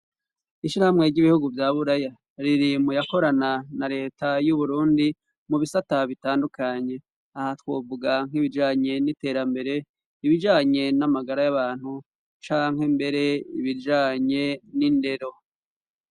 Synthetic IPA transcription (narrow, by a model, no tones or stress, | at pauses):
iʃiɾahamŋe̞ɾɟiβihuɡuvjaːβuɾaja | ɾiɾimujako̞ɾananaɾe̞ːtajuβuɾuːndi | muβisataβitaːndukaɲe̞ | ahatwoːvuɡaŋ̥hiβid͡ʒaːɲe̞nite̞ːɾambe̞ɾe̞ | iβid͡ʒaːɲe̞namaɡaɾajaβaːn̥hu | t͡ʃaːŋɦhembe̞ɾe̞iβid͡ʒaːɲe̞ninde̞ɾo̞